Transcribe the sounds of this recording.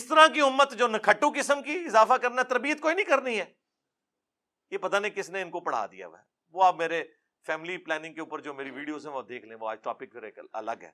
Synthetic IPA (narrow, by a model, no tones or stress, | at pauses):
ɪst̪əɾãkiʊmːət̪d͡ʒoːnɐkʰəʈːũkɪsəmkiɪzaːfakɐɾnat̪ɐɾbiːət̪koːinəĩkɐɾniɦɛː | jepɐt̪aːnẽkɪsneɪnkopɐɽ̤a̰ːd̪ḭja̰ʋɛ̰ː | ʋoːaːpmeːɾe | fʰɛːmɪliplɛːnɪ̃ŋ̚keuːpəɾd͡ʒoːmeːɾiʋiːɖioːzɦɛ̃ʋoːd̪eːkʰlẽːʋoa̰ːd͡ʒʈɔ̰ːpɪk̚pʰɪɾeːkɐ̰lə̰ɡɦɛ̰ː